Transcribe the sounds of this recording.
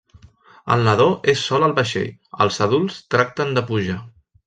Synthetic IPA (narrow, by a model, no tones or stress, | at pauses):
ə̰lˠnəðoʔesːɔləlˠβəʃḛʎə̰lˠzəðulˠst̪ɾak̚t̪ənd̪əpuʒə